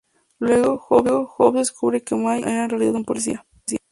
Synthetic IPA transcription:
lweɣoxoβɣoxopd̪eskuβɾekemajʔa̰narealiða̰ðumpolis̬ḭa | si

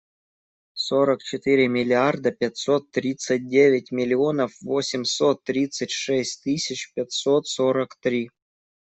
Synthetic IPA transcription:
soɾəkt͡ɕɪt̪ɨɾʲɪmʲɪlʲiard̪əpʲat̪sot̪ːɾʲit̪sɨt̚ʲdʲevʲɪtʲmʲɪlʲionəfvosʲɪmʲsot̪ːɾʲit̪sətʲʂɛsʲtʲt̪ɨsʲɪt͡ɕpʲat̪sot̪soɾəkt̪ɾʲi

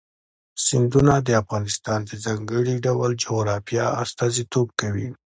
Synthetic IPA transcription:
sɪnd̪unad̪əafɣɑnɪst̪ɑnd̪əzɑŋɡəɽiɖawald͡ʒoɣɾɑfijɑast̪ɑzit̪ob̚kawi

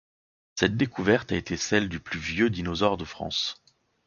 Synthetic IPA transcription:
sɛt̪̚d̪ekʰuvɛʁt̪aet̪ʰesɛld̪yplyvjød̪inɔzɔʁd̪əfχɑ̰̃s

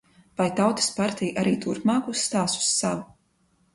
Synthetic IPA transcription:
vajt̪awt̪ḁspaɾt̪ijʔaɾiːt̪uɾpmaːksːt̪aːsu̥sːavu

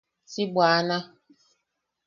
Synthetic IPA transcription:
siɡ͡bwaːna

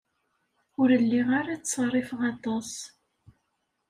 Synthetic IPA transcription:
ʊɾəlːiʁaɾat͡ssɑrˤːɪfəʁɑt̪ˤɑs

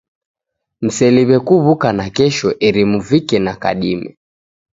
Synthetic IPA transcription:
m̩sɛliβɛkuβukanakɛʃɔʔɛɾimuvikɛnaka̰ɗimɛ̰

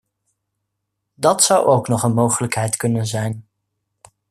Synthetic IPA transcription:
dɑtsʌwʔowknɔχənmowχələkɦɛjtkɵnənzɛjn

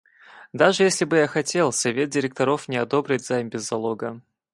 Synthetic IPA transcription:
d̪aʐɨjesʲlʲɪbɨjaxɐtʲe̞lˠsɐvʲe̞t̪̚dʲɪɾʲɪk̚t̪ɐɾo̞fnʲɪɐd̪o̞bɾʲɪtʲzaimbʲɪzːɐlˠo̞ɡə

